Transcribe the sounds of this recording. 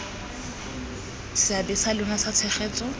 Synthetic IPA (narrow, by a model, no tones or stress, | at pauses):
sɪabɪsalʊŋasat͡sʰɛχeːt͡sʼɔ